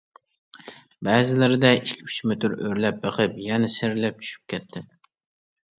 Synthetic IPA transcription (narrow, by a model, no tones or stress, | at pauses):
bæːzɪlɪɾɪd̪ɛiʃkʲʰy̥t͡ʃmɪt̪ʰʊɾøɾlæp̚bɨqʰɨp̚jɛnɛseɾlæp̚t͡ʃʰy̥ʃy̥p̚kʲɛt̪ʰːɪ